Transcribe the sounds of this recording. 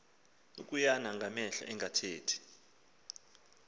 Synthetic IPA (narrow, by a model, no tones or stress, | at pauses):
ṵk̬ʼujanaŋɡʱamɛɬa̰ʔɛŋatʰeːtʰi̥